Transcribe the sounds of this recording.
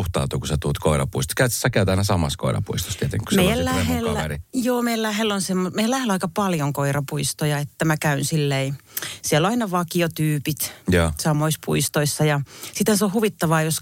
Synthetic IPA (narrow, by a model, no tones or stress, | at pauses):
uht̪ɑ̰ut̪ukuset̪uːt̪koiɾɑ̰puist̪o̥kæyt̪sːækæyt̪ɑnɑsɑmɑ̰sko̰iɾɑ̰pṵist̪o̥st̪iet̪ḛŋkusmeijællæhelːerijoːmeiællæhelːonsemːomeijælæhlɑikɑpɑljoŋkoirɑpuist̪ojɑet̪ːæmækæynsilːeisiɛlːoɑinɑʋɑkiot̪yːpit̪josɑmoispṵist̪oisːɑjɑsit̪hænseohuʋit̪ːɑʋɑːjos